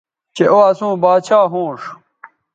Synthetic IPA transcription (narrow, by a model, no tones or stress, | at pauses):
t͡ɕeʔoːɐsũːbaːt͡ɕʰaːɦũːʂ